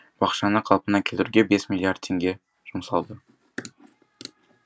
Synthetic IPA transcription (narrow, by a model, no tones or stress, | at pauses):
b̥ɑqʃɑnəqʰɑlˠpənɑkʲʰelɾuɡʲe̞be̞smʲilʲːiaɾd̪̚t̪ʰeŋɡʲe̞ | ʒ̥umsɑlˠd̪ə